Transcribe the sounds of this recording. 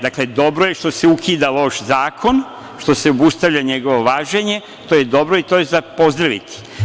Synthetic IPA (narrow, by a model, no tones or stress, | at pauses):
d̪akled̪o̞bɾojeʃt̪o̞seukʰiːd̪alo̞ːʃzaːkʰo̞n | ʃt̪o̞seobust̪aʋʎaɲeɡo̞ʋo̞ʋaːʒe̞ɲe | t̪ojed̪o̞bɾoit̪ojezapo̞zd̪ɾaʋit̪i̥